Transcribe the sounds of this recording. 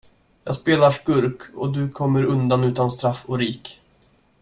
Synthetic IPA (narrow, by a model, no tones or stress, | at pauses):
jɑ̰ːɡspeːlaʂkɵɾkɔ̰d̪ɵkʰɔmːəɾɵnd̪anʉ̟ːt̪anst̪ɾafːɔɾiːk